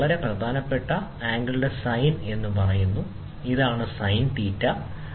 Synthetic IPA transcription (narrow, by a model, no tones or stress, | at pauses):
ɭɐɾe̞prɐd̪ʱaːnɐpːe̞ʈːɐ | aːŋɡɐɭuɽe̞sɐjne̞nːupɐrɐjunːu | iðaːɳɨsɐjnt̪iːtːɐ